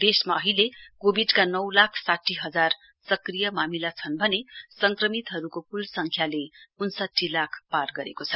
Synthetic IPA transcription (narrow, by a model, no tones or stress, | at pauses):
b̪̥esmaʌɦilekobiɖkanʌwlakʰsaʈʰːiɦʌd͡zar | sʌkrijʌmamilat͡sʰʌnbʱʌnesʌŋkrʌmit̪ɦʌɾukopulsʌŋkʰjaleunsʌʈʰːilakʰparɡʌɾekot͡sʰʌ